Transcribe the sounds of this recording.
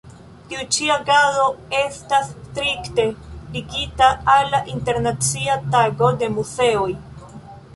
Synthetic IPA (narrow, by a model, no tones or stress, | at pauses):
tiut͡ʃiaɡazo̞e̞stastɾikte̞liɡitaalːaʔinte̞ɾnat͡siataɡo̞de̞muze̞oj